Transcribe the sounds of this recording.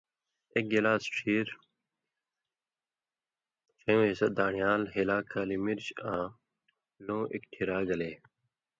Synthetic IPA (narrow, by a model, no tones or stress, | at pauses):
ek̚ɡelaːsʈʰiːɾ | t͡ɕʰɐ̃jõːesɐd̪aːɳijaːlɦilaːkʰaːlimiɾt͡ɕãː | lõːʔḭkʈʰiɾaːɡɐleː